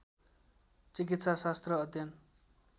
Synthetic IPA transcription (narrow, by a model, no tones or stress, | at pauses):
t͡sik̬it̪sasast̪rʌːd̪ʱjʌn